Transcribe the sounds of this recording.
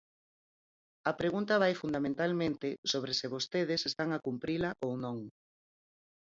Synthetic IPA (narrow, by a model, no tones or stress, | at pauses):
ɐpɾeɣunt̪ɐβajfund̪amẽnt̪almẽnt̪ɪsoβɾesɪβost̪eðɪsest̪aŋakumpɾilaʔownõŋ